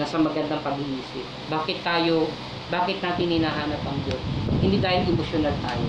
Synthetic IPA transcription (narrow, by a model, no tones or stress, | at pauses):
ɐsɐmɐɡɐnd̪ɐŋpɐɡɪhiːsɪ | baːkɪt̪ːaːjo̞ | baːkɪt̪naːt̪ɪnhɪnaɦaːnɐp̚ɐŋd͡ʒonhɪnd̪id̪aːjɪnʔɛmosjonalt̪a̰ːjo̰